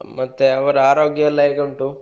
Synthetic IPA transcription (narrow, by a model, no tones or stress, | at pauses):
mɐt̪ːeɐʋɐɾuaːɾo̞ːɡjɐlːɐjeɡɐɳʈu